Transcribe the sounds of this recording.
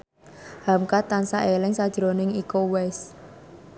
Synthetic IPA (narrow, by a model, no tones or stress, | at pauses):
hamkat̪ansaʔelɪŋsad̥ʒ̥ɾo̤nɪŋikowɛs